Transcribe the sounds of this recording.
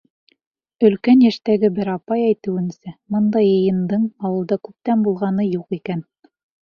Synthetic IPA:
ɵ̆lkænjæʃt̪æɡɘbɘɾɑpɑjæjt̪ɘ̆wɘ̆nsɘmɤnd̪ɑjɤ̆jɤ̆nd̪ɤɴɑwɤ̆lˠd̪ɑkʉp̚t̪ænbulˠʁɑnɤjuqikæn

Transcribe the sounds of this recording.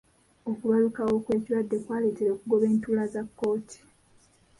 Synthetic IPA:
o̞kuβalukawo̞kwe̞ːciɾwadːe̞kwaːlitiɾoːkuɡo̞βe̞ːntuːlazakːo̞ːtʰi̥

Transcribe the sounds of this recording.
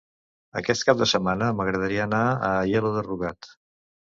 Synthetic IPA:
ə̰kɛst̪̚kap̚d̪əsəmanəməɣɾəðəɾiəːnaəjɛluðəruɣat̪

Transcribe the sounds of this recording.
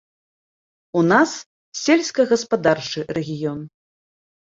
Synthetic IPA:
unas | sʲelʲskɐɣɐspad̪art͡ʂɨrɛɣʲijɔn

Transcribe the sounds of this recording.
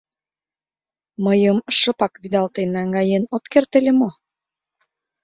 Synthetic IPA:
məjəmʃə̆pɑkβid̪ɑlt̪enɑŋɡɑjenot̪kert̪elʲemo

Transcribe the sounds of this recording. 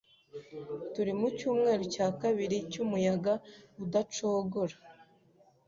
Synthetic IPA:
tuɾimucuːmŋe̞ːɾocaːkaβiɾicumujaɡaudat͡ʃo̞ːɡoɾa

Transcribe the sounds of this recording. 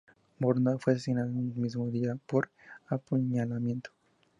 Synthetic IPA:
boɾnd̪afwesesinaðannnelmizmoðiapoɾ | apuɲalamje̞nt̪o̥

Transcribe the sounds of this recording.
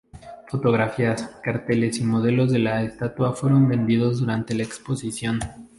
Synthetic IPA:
fo̞t̪o̞ɣ̞ɾafiaskaɾt̪e̞le̞simo̞ð̞e̞lo̞zðe̞laest̪at̪wafwe̞ɾo̞mbe̞nd̪ið̞o̞zðuɾant̪e̞laekspo̞sisjon

